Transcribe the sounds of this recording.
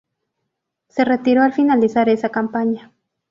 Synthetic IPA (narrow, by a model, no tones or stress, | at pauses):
seret̪iɾoalfinalisaɾesakampaɲa